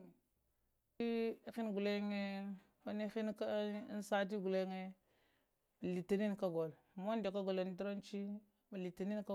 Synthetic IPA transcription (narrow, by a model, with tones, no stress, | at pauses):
i˦xi˦nɡu˨le˦ŋe˦ | a˦ni˦xi˦nka˦n˦sa˦t̬i˦ɡu˨le˦ŋe˦ | ma˨li˨ti˦ni˦nka˦ɡo˨l | mo˦nde˨ka˦ɡo˨la˨n˦di˦ɾo˦nt͡ʃi˦ | ma˨li˨ti˨ni˦nka˦